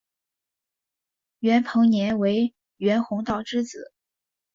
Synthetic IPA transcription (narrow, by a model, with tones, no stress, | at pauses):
ɥɛ˧˥npʰɤ˧˥ŋnjɛ˧˥nwe˧˥ɪ | ɥɛ˧˥nxʊ˧˥ŋt̪ɑ˨˩ʊʈ͡ʂɻ̩˥˩t͡sɹ̩˨˩˦